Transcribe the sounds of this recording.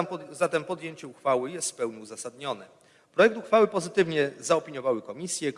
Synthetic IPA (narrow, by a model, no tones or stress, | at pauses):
zat̪ɛmpɔd̪jeɲt͡ɕɛuxfawɘjɛst̪fpɛwɲiuzasad̪ɲɔnɛ | pɾɔjɛk̚t̪uxfawɘpɔzɘt̪ɘvɲɛzaɔpʲiɲɔvawɘkɔmʲisʲjɛ